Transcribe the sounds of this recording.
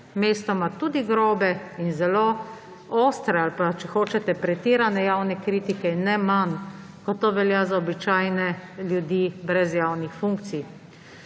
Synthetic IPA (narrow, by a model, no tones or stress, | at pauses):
meːst̪ɔmat̪ud̪iɡɾoːbɛinzɛlo | oːst̪ɾɛalpat͡ʃɛxoːt͡ʃɛt̪ɛpɾɛt̪iːɾanɛjaːwnɛkɾiːt̪ikɛnɛman | kɔt̪oːʋɛljazaɔbit͡ʃaːjnɛljud̪iːbɾɛzjaːwnixfuŋkt̪sij